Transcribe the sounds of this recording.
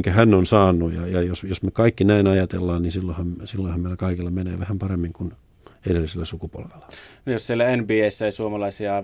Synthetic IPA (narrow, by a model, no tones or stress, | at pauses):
ŋkæhænːonsɑːnːujɑ̰jɑjosjosmekɑikːinæinɑjɑt̪ḛlːɑːnninsilːohɑmsilːoihɑmeilækɑikilːɑmenḛːʋæhæmpɑremːiŋkun | edelːiselːæsukupo̰lʋelːɑ̥nijossielːæenbiːeisːæjisuomɑlɑisiɑ